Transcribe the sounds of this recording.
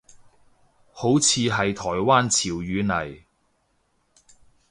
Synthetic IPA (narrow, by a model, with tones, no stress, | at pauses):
ho˨˥wt͡sʰiː˧ɦɐ˨jt̪ʰɔː˨˩jwaː˥nt͡sʰiː˨˩wjyː˨˥nɐ˨˩j